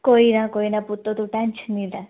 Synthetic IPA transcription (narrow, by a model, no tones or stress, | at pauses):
koiɾãkoinaput̪ːot̪ũʈɛnt͡ʃʰnila